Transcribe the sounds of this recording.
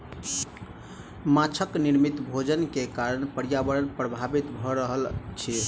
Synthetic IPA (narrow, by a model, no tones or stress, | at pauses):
mat͡ʃʰəkniɾmit̪bʱod͡ʒənkekaɾənpəɾjabəɾənpɾəbʱabit̪bʱɔɾəɦəlt͡ʃʰi